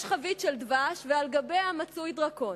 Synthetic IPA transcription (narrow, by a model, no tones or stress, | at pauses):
ʃχavitʃeld̪vaʃvealɡabe̞jhamat͡sujd̪ʁako̞